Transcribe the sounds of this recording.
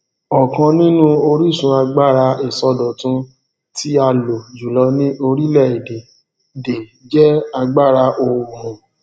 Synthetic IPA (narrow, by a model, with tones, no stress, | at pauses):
ɔ˨kã˧nĩ˦nũ˦o˧ɾi˦˨sũ˧a˧ɡ͡ba˦˨ɾa˧e˨sɔ˧dɔ˨tũ˧˦ | ti˦a˧lo˨d͡ʒu˨lɔ˨˦nĩ˦ʔo˧ɾi˦lɛ˦˨i˨de˨ | de˨ | d͡ʒɛ˦a˧ɡ͡ba˦˨ɾa˧ʔo˧wu˨mũ˨